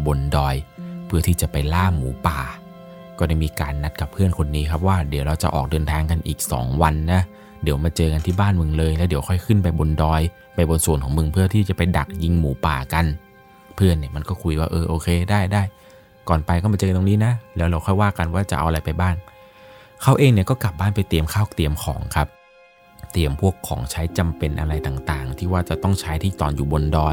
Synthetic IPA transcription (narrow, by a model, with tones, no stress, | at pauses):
bo˧ndɔː˧jpʰɯ˥˩t̪ʰiː˥˩t͡ɕa˨˩pa˧jlaː˥˩muː˩˦paː˨˩ | kɔː˥˩da˥˩jmiː˧kaː˧nːa˦˥t̪̚ka˨˩pʰːɯ˥˩ənkʰo˧nːiː˦˥kʰa˦˥p̚waː˥˩di˨˩˦wɾa˧wt͡ɕa˨˩ʔɔ̰ː˨˩k̚dɤː˧nt̪ʰaː˧ŋka˧nʔiː˨˩k̚sɔ̰ː˩˦ŋwa˧nːa˦˥ | di˨˩˦wmaː˧t͡ɕɤː˧ka˧nt̪ʰiː˥˩baː˥˩nmɯ˧ŋlɤː˧jlɛː˦˥wdi˩˦wkʰɔ˥˩jkʰɯ˥˩npa˧jbo˧ndɔː˧j | pa˧jbo˧nsu˨˩nkʰɔː˩˦ŋmɯ˧ŋpʰɯ˥˩ɐt̪ʰiː˥˩t͡ɕa˨˩pa˧jda˨˩k̚ji˧ŋmuː˩˦paː˨˩ka˧n | pʰɯ˥˩ənːi˥˩ma˧nkɔː˥˩kʰu˧jwaː˥˩ʔɤː˧ʔoː˧kʰeː˧daː˥˩jdaː˥˩j | kɔː˨˩npa˧jkɔː˥˩maː˧t͡ɕɤː˧nt̪o˧niː˦˥na˦˥lɛː˦˥wɾa˧wxʰɔ˥˩jwaː˥˩ka˧nwaː˥˩t͡ɕa̰˨˩ʔa̰˧wʔɾa˧jpa˧jbaː˥˩ŋ | kʰa˦˥wʔeː˧ŋni˥˩əkɔː˥˩kla˨˩p̚baː˥˩npa˧jt̪i˧əmkʰaː˥˩wt̪i˧˩əmkʰɔ̰ː˩˦ŋkʰa˦˥p̚ | t̪i˧˩əmpʰu˥˩əkʰːɔ̰ː˩˦ŋt͡ɕʰa˦˥jt͡ɕa˧mpe˧nʔa̰˧ɾa˧jt̪aː˨˩ŋt̪aː˨˩ŋt̪ʰiː˥˩waː˥˩t͡ɕa˨˩t̪ɔ˥˩ŋt͡ɕʰaː˦˥jt̪ʰiː˥˩t̪ɔ̰ː˨˩njuː˨˩bo˧ndɔː˧j